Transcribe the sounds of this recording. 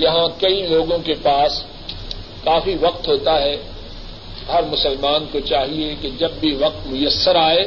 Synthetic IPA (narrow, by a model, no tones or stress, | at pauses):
jɐɦãkɐiloːɡõkepaːs | kaːfiʋɐq̚t̪ɦoːt̪aɦɛ | ɦɐɾmʊsəlmaːnkot͡ʃaːɦieked͡ʒɐbːiʋɐq̚t̪mʊjəsːəɾaːeː